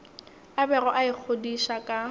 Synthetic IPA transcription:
abɛrɔʔaɪk͡xʰodiʃakʼa

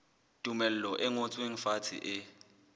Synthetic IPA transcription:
tʼumɛl̩lɔʔɛŋot͡sʼweŋ̩fatʰḭʔɪ

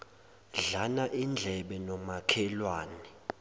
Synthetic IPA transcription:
ɮanaʔind͡ɮʱɛɓɛnɔmakʰɛlwaːnɛ

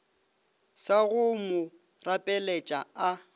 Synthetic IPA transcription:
saɣʊmʊ | rapʼɛlɛt͡ʃʼa̰a

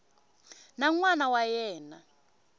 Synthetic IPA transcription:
naŋwanawajɛːna

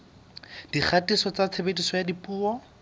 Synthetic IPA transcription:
d̥iχʰatisɔt͡sat͡sʰebetisɔjadipuːɔ

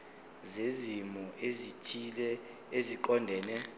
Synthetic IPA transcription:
zezimɔʔezitʰiɛ | eziǃɔndʱɛːnɛ

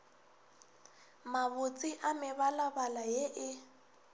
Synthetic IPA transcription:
maβʊt͡sʼiʔamɪβalabalajeʔɪ

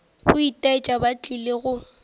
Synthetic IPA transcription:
ɣʊitʼaɪt͡ʃʼabat͡ɬʼileɣʊ

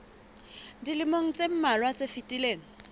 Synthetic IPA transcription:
dilɪmoŋ̩t͡sʼem̩malwat͡sʼefitʼileːŋ̩

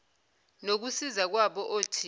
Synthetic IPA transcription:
nok̬usizak̬waɓɔʔoːtʰi

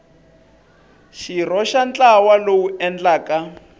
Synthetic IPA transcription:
ʃirɔʃant͡ɬʼawalowuɛnd͡ɮaːka

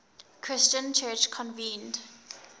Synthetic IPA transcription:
kʰɹ̥ɪst͡ʃə̃nt͡ʃʰɜːt͡ʃkʰɔ̃nvĩːnd

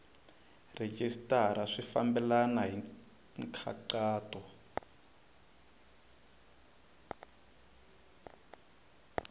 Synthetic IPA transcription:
red͡ʒistaɾaʂifambɛlanaɦi | ŋkʰa̰ǃaːtɔ

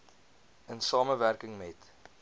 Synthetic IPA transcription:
ənsɑːməværkəŋmɛt

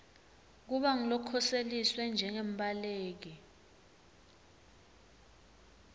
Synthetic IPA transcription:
k̬uɓaŋilɔkʰɔseliswɛnd͡ʒʱɛŋemɓʱaleːk̬i

